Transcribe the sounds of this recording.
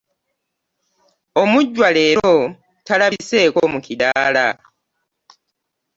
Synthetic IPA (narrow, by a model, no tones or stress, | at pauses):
o̞muɟːwaleːɾo | talaβise̞ːkomukidaːla